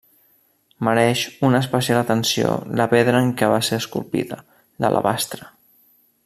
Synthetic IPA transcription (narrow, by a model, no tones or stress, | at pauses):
məɾɛʃunəːs̬pəsialət̪ənsio̰ləpeðɾəːŋkɛβaseɾəskulˠpḭðə | lə̰lʔə̰βast̪ɾə